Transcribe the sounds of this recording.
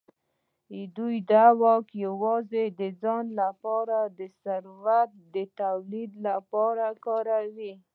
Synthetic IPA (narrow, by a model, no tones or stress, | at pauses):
d̪ujd̪awɑkjawɑzed̪əd͡zɑnlapɑɾad̪əsaɾwat̪̚d̪ət̪awlid̪lapɑɾakɑɾawi